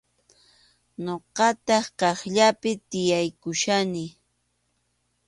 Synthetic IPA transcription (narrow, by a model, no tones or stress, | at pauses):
ɲoqɑt̪ɑχqɑχʎapɪt̪ɪjajkʊʃanɪ